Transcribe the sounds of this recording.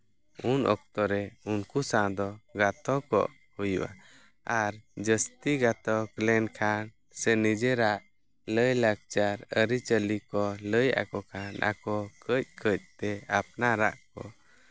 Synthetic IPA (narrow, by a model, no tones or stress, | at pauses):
unʔɔ̰k̚t̪ɔɾɛunkusãd̪ɔɡat̪ɔkɔ̰ʔ | hujṵʔa̰ | aɾd͡ʒəst̪iɡat̪ɔklɛnkʰan | sɛnid͡ʒɛɾaʔ | ləjlaɡ̚t͡ʃaɾəɾit͡ʃəlikɔləja̰kɔkʰanʔa̰kɔkəc̚kʰəc̚t̪ɛap̚naɾa̰ʔkɔ